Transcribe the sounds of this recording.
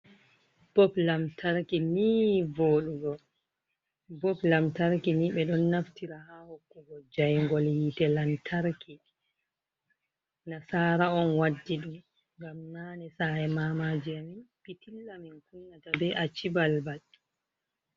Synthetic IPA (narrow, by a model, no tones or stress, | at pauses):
b̥ɔblamtʰaɾkiniːvoːɗuɡɔ | bɔplamtaɾkiniɓɛɗɔnːaftiɾahaːhokːuɡɔd͡ʒajŋɡɔlhiːtɛlantʰaɾki | nasaːɾaɔnwadːiɗum | ŋɡamnaːnɛsajɛmamad͡ʒiaminpitilːaminkunːatabɛʔat͡ʃibalbad